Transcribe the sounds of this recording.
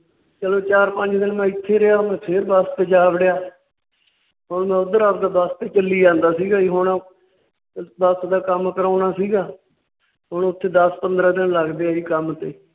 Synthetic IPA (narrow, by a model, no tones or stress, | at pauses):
t͡ʃəloːt͡ʃaːɾpəɲd͡ʒd̪ɪnmɛ̃ːɪt̪ʰːeːɾɪɦaːmɛ̃ːpʰeɾbast̪eːd͡ʒaːʋɽɪjaː | ɦʊɳmɛ̃ːʊd̪əɾaːpd̪aːbast̪eːt͡ʃəlːiːd͡ʒãːnd̪aːsiːɡaːiːɦʊɳ | bəsd̪aːkəmkəɾaːnaːsiːɡaː | ɦʊɳʊt̪ʰːeːd̪əspənd̪ɾaːd̪ɪnləɡd̪eːaːiːkəmt̪eː